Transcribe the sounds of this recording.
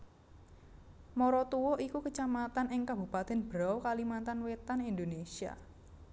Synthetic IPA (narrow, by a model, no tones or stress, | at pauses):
mɔɾɔt̪uwɔʔikukət͡ʃamat̪anɪŋkabṳpat̪ɛnb̥əɾawkalimant̪anwet̪anind̪onesia̰